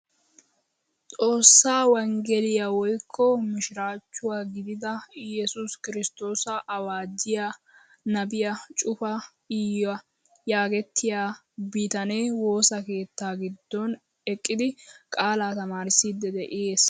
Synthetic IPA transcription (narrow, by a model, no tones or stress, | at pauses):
t̪ʼo̞ːsːaːwɐŋɡɛlɪjawɔjkʰːɔmɪʃɪɾaːt͡ʃːʊwaːɡɪd̪ɪd̪ɐjɛsʊskɪɾɪst̪o̞ːsɐʔɐwaːd͡ʒɪja | nɐbɪjɐt͡ʃʼʊfɐ | ɪjwɐ | jaːɡɛt̪ʰːɪjaː | biːt̪ɐneːwo̞ːsɐke̞ːt̪ːaːɡɪd̪ːɔn | ɛkʼːɪd̪ɪkʼaːlaːt̪ɐmaːɾɪsːiːd̪ːɛd̪ɛʔɪje̞ːs